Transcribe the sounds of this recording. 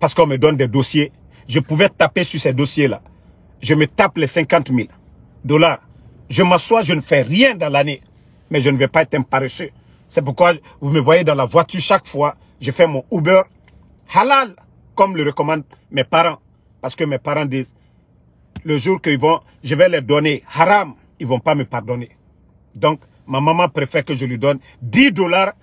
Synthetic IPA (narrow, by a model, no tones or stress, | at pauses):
paʁsə̥kɔ̃məd̪ɔnd̪ɛd̪osje | ʒəpuvɛt̪apesysɛd̪osjela̰ | ʒəmət̪aplɛsɛ̃kɑ̃t̪mil | d̪ɔlaʁ | ʒəmãswaʒənəfɛʁjɛ̃d̪ɑ̃lane | mɛʒənəvɛpaɛt̪ɛ̃paɾesø | sɛp̬uɾkwa | vuməvwajed̪ɑ̃lavwat̪yɾʃakfwa | ʒəfɛmɔ̃ubøɾ | halal | kɔmləɾəkɔmɑ̃d̚ | mɛpaɾɑ̃ | pasə̥kəmɛpaɾɑ̃diːz | ləʒuɾkəivɔ̃ | ʒəvɛlɛdɔnehaɾam | ilvɔ̃paməpaɾd̪ɔne | dɔ̃k | mamãmãpɾefɛɾkəʒəlidɔn | didɔlaɾ